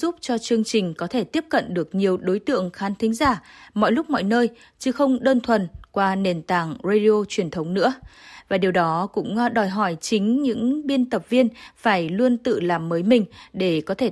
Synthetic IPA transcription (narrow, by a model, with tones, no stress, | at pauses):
zu˦˥p̚t͡ɕɔ˧t͡ɕɨ˧əŋt͡ɕï˨˩ŋ̟kɔ˨˦t̪ʰe˧˩t̪i˦˥əp̚kə̰˧˨nɗɨ˨˩ək̚ɲi˨˩əwɗo˨˦jt̪ɨ̰˧˨əŋxaː˨˦nt̪ʰï˨˦ŋ̟zaː˧˩mɔ̰˧˨jlʊ˦˥k͡p̚mɔ̰˧˨jnəː˧j | t͡ɕɨ˨˦xə˧wŋ͡mɗəː˧nt̪ʰwə˨nkwaː˧ne˨˩nt̪aː˨˩ŋza˧ɗi˧o˧t͡ɕwi˨˩ənt̪ʰə˨˦wŋ͡mnɨ̰˧˥əvaː˨˩ɗi˨˩əwɗɔ˨˦kʊ̰˧˥ŋ͡mɗɔ˨˩jɦɔ˧˩jt͡ɕï˨˦ŋ̟ɲɨ̰˧˥ŋɓi˧ənt̪ə˨˩p̚vi˧ənfaː˧˩jlu˧ənt̪ɨ̰˧˨laː˨˩mːəː˨˦jmï˨˩ŋ̟ɗe˧˩kɔ˨˦t̪ʰe˧˩